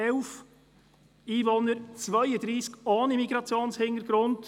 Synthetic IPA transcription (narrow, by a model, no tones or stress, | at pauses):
ɛʊf | iːvonəɾt͡svœɪədɾiːskɑːnimiɡɾɑt͡sjoːnshɪnəɾɡ̥ɾʊnd